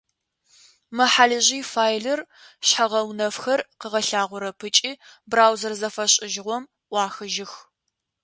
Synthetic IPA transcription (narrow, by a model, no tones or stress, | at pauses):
mɐħaɮɨʑiːfaːjɮɐr | ɕħaʁɐwnɐfxɐrqəʁɐɬaːʁʷʊɾɐpʰɨt͡ʃʼiːbraːwzɐrzɐfɐɕʼɪʒɪʁʷɔm | ʔʷɑːxɨʒɪx